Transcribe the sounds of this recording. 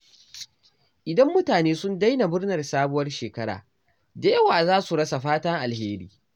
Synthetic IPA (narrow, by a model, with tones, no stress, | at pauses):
ʔɪ˨dɐ˦mːʊ˦taː˨neː˦sʊ˦nda˦jna˨bʊ˦rnɐ˨rsaː˦bʊ˦wɐ˦rʃeː˨kɐ˦ɽa̰ː˨ | da˨jɐ˦waː˨zaː˦su˨ɽɐ˦sa˨ɸaː˦tɐ˦ŋʔa˨lheː˦ɾḭː˦